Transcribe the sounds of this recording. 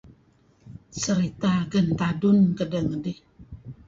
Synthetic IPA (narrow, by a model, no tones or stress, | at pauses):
səɾit̪aɡən̩t̪adunkədəŋdi